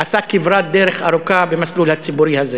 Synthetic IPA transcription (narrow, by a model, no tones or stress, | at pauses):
ʔasakivɾat̪̚d̪eɾeχaɾukabemaslulhat͡sibuɾihaze